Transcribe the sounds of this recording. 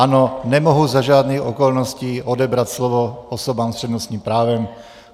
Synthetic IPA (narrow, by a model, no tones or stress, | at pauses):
anonɛmoɦuzaʒaːd̪niːxokolnosciːʔodɛbɾat̪slovoosobaːmst̪r̥ɛd̪nost̪ɲiːmpɾaːvɛm